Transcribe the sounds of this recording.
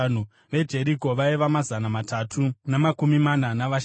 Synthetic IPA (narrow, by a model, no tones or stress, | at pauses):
nu | ʋe̞d͡ʒe̞ɾiko̞ʋaiʋamazanamatatʰunamakumimananaʋaʃ